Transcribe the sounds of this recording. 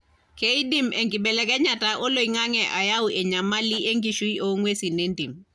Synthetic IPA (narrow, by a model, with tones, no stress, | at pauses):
ke˦i˦di˦mʔe˨ŋɡi˨bɛ˨lɛ˦kɛ˦ɲa˨ta˨ʔo˦lo˨i˦ŋa˦ŋɛ˨ʔa˨ja˦wʔɛ˨ɲa˨ma˦li˦ʔe˦ŋɡi˨ʃu˦i˦ʔo˨˦ŋwe˦si˨ne˦ndi˨m